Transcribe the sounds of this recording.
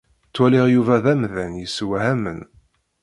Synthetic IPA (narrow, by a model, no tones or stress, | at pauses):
t͡sːwælɪʁjuvæðæmðænjəswhæmən